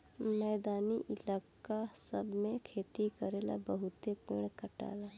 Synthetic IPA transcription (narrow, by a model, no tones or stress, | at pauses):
mɛːd̪aːniʔɪlaːkasəbmẽkʰeːt̪ikɐɾeːla̰bəɦʊt̪epḛːɽ̃kəʈa̰ːlaː